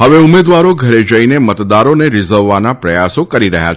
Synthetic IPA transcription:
ɦəʋeumed̪ʋaɾoɡʱəɾed͡ʒəinemət̪d̪aɾoneɾɪzəɾːanapɾəjasokəɾiɾə̰ɦja̰

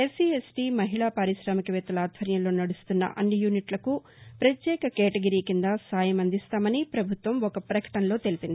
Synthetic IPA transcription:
esiːesʈiːmɐɦiɭaːpaːɾiʃɾaːmɐkɐʋɛːt̪ːɐlaːd̪ʱʋɐɾjɐmlo̞ːnɐɽust̪unːɐ̰ʔɐnːijuːniʈlɐku | pɾɐt̪jɛːkɐkɛːʈɐɡɐɾiːkind̪ɐsaːjɐmɐnd̪ist̪aːmɐnipɾɐbʱut̪ʋɐmɔkɐpɾɐkɐ̥ʈɐnlo̞ːt̪elipind̪i

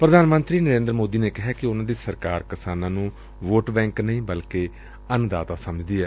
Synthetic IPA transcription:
pɾəd̪ʱaːnmə̃nt̪ɾiːnəɾẽːnd̪ɾəmoːd̪iːneːkɪɦɛːkɪʊnãːd̪iːsəɾkaːɾkɪsaːnãːnũː | ʋoːʈbɛ̃ːŋknəĩːbəlkeː | ənd̪a̰ːt̪aːsəməd͡ʒd̪iːɛː

